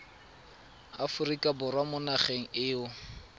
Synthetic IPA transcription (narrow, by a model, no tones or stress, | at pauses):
afʊrikʼabʊrwamʊnaχeŋ̩ɪːʊ